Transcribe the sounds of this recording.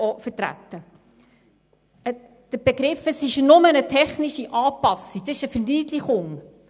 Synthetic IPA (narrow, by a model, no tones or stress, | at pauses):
ɔfəɾtɾæ̰tːə | ə | d̥əb̥eɡɾɪfəsɪʃnʊmənətʰɛχnɪʃiʔɑːpɑsid̥ɑsɪʃəfəɾniːdliχʊŋ